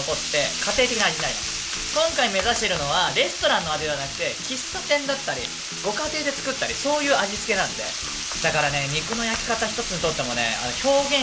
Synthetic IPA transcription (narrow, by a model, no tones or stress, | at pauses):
oko̞t̪ːe̞kat̪e̞ːt̪e̞kʲinaʑinai | kõ̞ŋkaime̞zaɕʲi̥t̪eɾɯ̟no̞β̞aɾe̞sɨ̥t̪o̞ɾãnːo̞ad̪eeanakɯ̟̥t̪e̞kʲisɨ̥t̪o̞t̪ẽ̞nd̪at̪ːaɾʲḭ | ɡo̞kat̪e̞ːd̪e̞t͡sɨ̥kɯ̟t̪ːaɾʲiso̞ːjɯ̟ːaʑit͡sɨ̥ke̞nãnd̪e̞̰ | d̪akaɾane̞ɲ̟ikɯ̟no̞jakʲi̥kat̪açi̥t̪o̞t͡sɨɲit̪o̞t̪ːe̞mo̞ne̞̰a̰no̞ço̞ːɡẽ̞